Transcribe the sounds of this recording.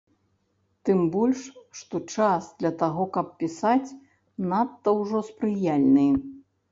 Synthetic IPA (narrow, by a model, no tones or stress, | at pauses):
t̪ɨmbɔlʲʂʂt̪ɔt͡ʂasd̪lʲɐt̪aɣɔkɐp̚pʲisat͡sʲ | nat̪ːɐwʐɔspɾɨjalʲnɨj